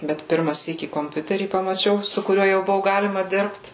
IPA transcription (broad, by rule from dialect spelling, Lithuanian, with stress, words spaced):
bʲɛt ˈpʲɪrmɐ ˈsʲiːkʲiː koːmʲˈpʲʊtʲɛrʲiː pɐmɐˈt͡ʃʲɛʊ sʊ kʊˈrʲuɔ jɛʊ ˈbʊʋʊ ˈɡɑːlʲɪmɐ ˈdʲɪrpt